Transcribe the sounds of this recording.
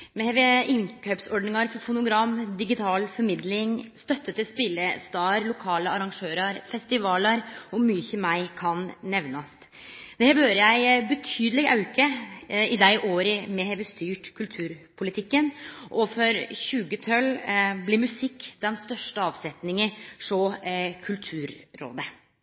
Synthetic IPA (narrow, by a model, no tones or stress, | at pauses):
mɛhɛʋeʔɪnkʰœpsɔɖnɪŋɑɾfɔɾfʊnʊɡɾɑmːd̪ɪɡɪt̪ʰɑːlfɔɾmɪd̪lɪŋst̪œt̪ːət̪ɪspɪlːəst̪ɑːɾlʊkʰɑːləɑɾɑŋʂøːɾɑɾfɛst̪ɪʋɑːləɾɔmyːçəmæɪkʰɑnnɛʋnɑst̪ | d̪̥ɛhæːɾhøːɾəjæɪbət̪ʰyːd̪əlɪɡɑʉkəɪd̪æɪʔoːɾəmɛhɛʋəst̪yːʈkʰʉlt̪ʰʉːɾpʰʊlɪt̪ʰɪkːənʔɔfɔɾçʉːɡət̪ʰœlblɪɾmʉsɪkːd̪̥ɛnst̪œʂʈəɑːʋsɛt̪nɪŋəʂɔkʰʉlt̪ʰʉːɾːo̰ːd̪ə